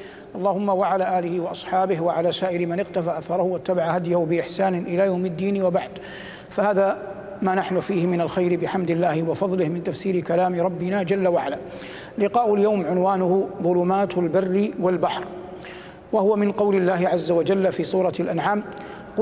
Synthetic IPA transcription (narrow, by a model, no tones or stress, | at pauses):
ʔɑlˤːɑːhʊmːawaʕalaːʔaːlɪhɪwɑʔɑsˤħɑːbɪhwaʕalaːsaːʔɪɾmanɪqt̪afaːʔaθɑːɾˤɑhʊwat̪ːabaʕahad̪jahʊbɪʔɪħsaːnɪʔɪlaːjawmɪd̪ːiːnwabaʕd̪ | fahaːða | maːnaħnʊfiːhɪmɪnalxajɾɪbɪħamd̪ɪlːaːhɪwɑfɑðˤlɪhmɪnt̪afsiːɾɪkalaːmɪɾˤɑbːɪnaːd͡ʒalːawaʕalaː | lɪqɑːʔʊljawmʕʊnwaːnʊhʊðˤʊlʊmaːt̪lbarːɪwalbaħɾ | wahʊwamɪnqɑwlɪlːaːɦɪʕazːawad͡ʒalːfiːsˤuːɾˤɑlʔanʕaːm | q